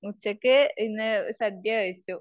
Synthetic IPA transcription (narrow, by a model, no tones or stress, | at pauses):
mut͡ɕːɐkːɨinːɨsɐd̪jɐkɐɻit͡ɕːu